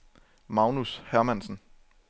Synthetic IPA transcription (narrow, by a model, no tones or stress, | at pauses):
mɑ̈ʊnushæɐmænsn̩